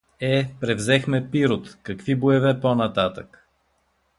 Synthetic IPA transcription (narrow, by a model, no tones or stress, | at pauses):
ɛpɾɛvzɛxmɛpiɾot̪kɐkviboɛvɛponɐt̪at̪ək